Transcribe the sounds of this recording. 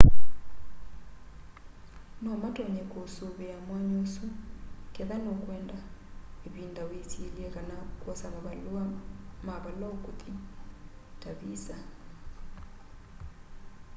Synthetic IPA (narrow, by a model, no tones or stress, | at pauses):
nɔmatɔɲɛkosoβeamwaɲosukeðanokwɛːndaeβindawetieliɛkanakwɔsaβaβaluamaβalɔkot̪i | taβisa